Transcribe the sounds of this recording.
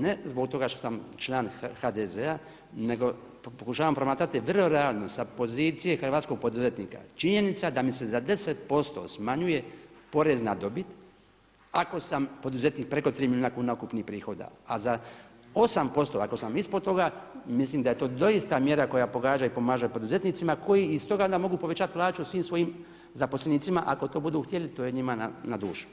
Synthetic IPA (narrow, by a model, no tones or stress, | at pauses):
ne̞zbo̞kt̪o̞ɡaʃt̪osamt͡ʃlˠaːnxad̪ezea | ne̞ɡo̞ | pokuʃaːʋampɾo̞maːt̪ɾat̪iʋrloɾealˠno̞sapo̞ziːt̪sije̞xr̩ʋaːt̪sko̞ɡ̚po̞d̪uzet̪niːka̰t͡ʃiɲe̞nit̪sad̪amise̞zad̪e̞set̪̚po̞st̪o̞̰smaɲuje̞po̞ɾeznad̪o̞bit̪ | ako̞sampo̞d̪uze̞t̪niːk̚pɾe̞ko̞t̪ɾiːmiljuːnakuːnaokupnipɾiːxo̞d̪a̰aza | o̞sampo̞st̪o̞ako̞samispod̪t̪o̞ɡamislimd̪aje̞t̪o̞ːd̪o̞ist̪amje̞ɾako̞japo̞ɡaːd͡ʒaipo̞maːʒapo̞d̪uze̞t̪nit̪simakʰo̞jiːst̪o̞ɡaond̪amo̞ɡuːpo̞ʋet͡ɕat̪̚plˠaːt͡ʃusʋiːmsʋo̞jim | zapo̞sleniːt̪simaʔako̞t̪o̞ːbud̪uːxt̪jelit̪o̞ːjeɲimananad̪uːʃu̥